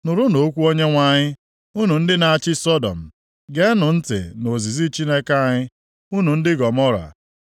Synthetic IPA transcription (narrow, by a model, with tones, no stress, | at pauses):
nʊ˨ɾʊ˦no˨˦kʷu˦o˦ɲe˦ŋʷa˨ɲɪ˦ | u˦nu˨n̩˦dɪ˦na˨a˨t͡ʃɪ˦sɔ˦dɔ̰˨m̩˨ | ɡe˦nʊ˨n̩˦tɪ̰˨no˨zi˨zi˦t͡ʃi˦ne˦ka˦a˨ɲɪ˦ | u˦nu˨n̩˦dɪ˦ɡɔ˨mɔ˦ɾa̰˨